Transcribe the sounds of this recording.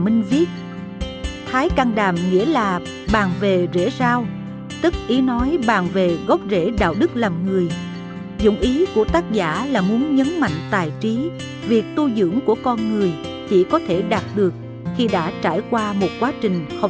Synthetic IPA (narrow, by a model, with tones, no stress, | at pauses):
mi˧ŋ̟vi˦˥ət̚ | t̪ʰaː˨˦jka˧ŋɗaː˨˩mŋḭ˧˥əlaː˨˩ | ɓaː˨˩ŋve˨˩zḛ˧˥saː˧w | t̪ɨ˦˥k̚ʔi˨˦nɔ˨˦jɓaː˨˩ŋve˨˩ɣɔ˦˥p̚zḛ˧˥˩ɗa̰ː˧˨wɗɨ˦˥k̚laː˨˩mŋɨ˨˩əj | zʊ̰˧˨ŋ͡mʔi˨˦ku˧˩ət̪aː˦˥k̚za̰ː˧˥laː˨˩mu˨˦ənɲə˨˦nma̰˧˨jŋ̟t̪aː˨˩jt͡ɕi˨˦ | vi˨˩ək̚t̪u˧zɨ̰˧˥əŋku˧˩əkɔ˧nŋɨ˨˩əj | t͡ɕḭ˧˥kɔ˨˦t̪ʰe˧˩ɗaː˨˩t̚ɗɨ˨˩ək̚ | xi˧ɗa̰ː˧˥t͡ɕaː˧˩jkwaː˧mo˨˩t̚kwaː˨˦t͡ɕï˨˩ŋ̟hə˨˩